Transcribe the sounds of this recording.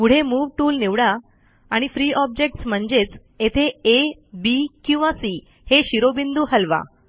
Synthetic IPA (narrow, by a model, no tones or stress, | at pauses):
kuɽ̤emuːʋʈuːlniʋɽa | aɽ̃ifɾiːʔɔb̚d͡ʑek̚ʈsm̤əɳd͡ʑet͡s | et̪ʰeebikĩw̃ʋãsiː | heɕiɾobind̪uːɦəlʋa̰